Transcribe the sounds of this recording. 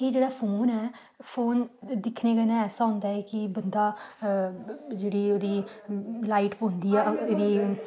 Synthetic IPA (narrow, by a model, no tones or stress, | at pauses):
eːd͡ʒeːɽaːpʰoːnɛː | pʰoːnd̪ɪkʰneːɡənãːɛːsaːɦʊ̃nd̪aːɛːkɪbənd̪aː | d͡ʒeːɽiːoːd̪iːlaːiʈpoːnd̪iːɛːeːdiː